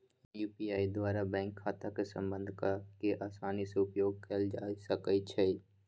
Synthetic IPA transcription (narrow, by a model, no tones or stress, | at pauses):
juːpiaːid̪waːɾabɛ̃ːŋkʰːaːt̪akesə̰̃mbə̃nd̪ʱkakeʔaːsaːniseʊpjoːɡ̚kəld͡ʒaːsəkəit͡ʃʰəi